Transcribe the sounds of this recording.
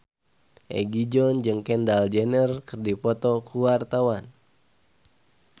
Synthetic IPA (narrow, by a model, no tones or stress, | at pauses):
ʔɛ̰ɡid͡ʒɔnd͡ʒɨŋkɛndald͡ʒɛnərkɨrdipɔt̪ɔkuwart̪awan